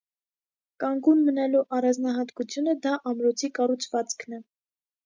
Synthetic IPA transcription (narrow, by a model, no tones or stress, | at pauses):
kɑŋɡunmənɛluʔɑrɑnd͡znɑɦɑt̪kut͡sʰjunəd̪ɑʔɑmɾɔt͡sʰikɑrut͡sʰvɑt͡skʰnɛ